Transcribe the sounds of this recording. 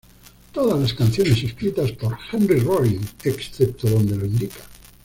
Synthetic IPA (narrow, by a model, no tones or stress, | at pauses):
t̪oðazlaskan̟θjone̞seskɾit̪aspo̞ɾxenriroliŋeksθep̚t̪oðo̞nd̪eloĩnd̪ikḁ